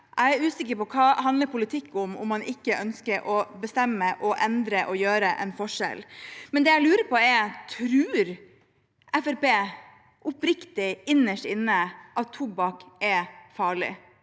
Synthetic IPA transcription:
ʔæɪæɾʉːsɪkːəɾpɔkʰɑːɦɑnd̪ləɾpʊlɪt̪ʰɪkːʊmʊ̰mːɑnɪkːəʔœnskəɾʔɔbəst̪ɛmːəʔɔʔɛnd̪ɾəʔɔjøːɾəʔɛ̰nfɔʂɛ̰lmɛnd̪ɛːæɪlʉːɾəɾpʰɔɛɾt̪ʰɾʉːɾ | ɛfæɾbeː | ʔʊpɾɪkt̪ɪɪnːəʂʈɪnːəʔɑt̪ʰːuːbɑkʔɛfɑːɭɪ̰

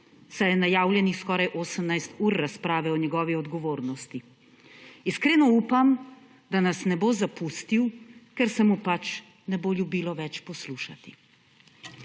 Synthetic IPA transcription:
sajɛnajaːwljɛnixskɔːɾajʔoːsəmnajst̪uːɾːaspɾaːʋɛɔɲɛɡɔːʋiɔd̪ɡɔʋoːɾnɔst̪i | iskɾeːnɔuːpam | d̪anasnɛbozapust̪iwkɛɾsɛmupat͡ʃ | nɛboːljubiːlɔʋɛt͡ʃpɔsluːʃat̪i̥

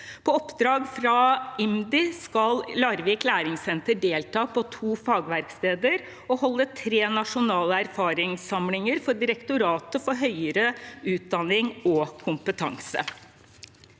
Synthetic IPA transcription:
pʰɔɔpːd̪ɾɑːɡfɾɑɪmd̪ɪskɑllɑɾʋiːklæːɾɪŋsɛnt̪əɖeːlt̪ʰɑːpʰɔt̪ʰuːfɑːɡʋæɾkst̪eːd̪əɾ | ɔhɔlːət̪ʰɾeːnɑʂʊnɑːləæɾfɑːɾɪŋsɑmlɪŋəɾfɔɖɪɾəkt̪ʊɾɑːt̪əfɔɾɦœʏəɾəʉːt̪̚d̪ɑnɪŋɔkʰʊmpət̪ʰɑ̰ŋsə̰

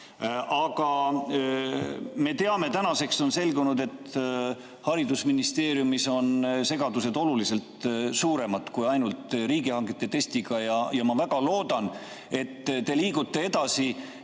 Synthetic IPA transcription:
ʔɑɡ̥ɑ | me̞t̪e̞ɑme̞t̪ænɑse̞kso̞nse̞lɡunud̪e̞t̪ː | hɑɾid̪usminist̪e̞ːɾjumiso̞nse̞ɡ̥ɑd̪use̞d̪o̞lulise̞lt̪suːɾe̞mɑd̪ˑkujɑjnult̪ɾiːɡihɑŋɡet̪ːˑe̞t̪e̞st̪iɡ̥ɑjɑjɑmɑvæɡ̥ɑlo̞ːd̪̥ɑn | e̞t̪ːt̪e̞liːɡut̪ːˑe̞e̞d̪̥ɑsi

